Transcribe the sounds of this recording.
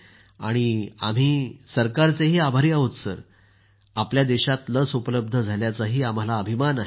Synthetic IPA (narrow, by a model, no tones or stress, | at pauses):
a̰ɽ̃ia̰m̤iːsəɾkaɾt͡seɦiːabʱaɾiːaʋut̪sə̰ɾ | apljad̪eɕat̪ləsupələb̚d̪ʱəd͡zʱaljat͡saɦiːam̤alaəbʱimanaɦi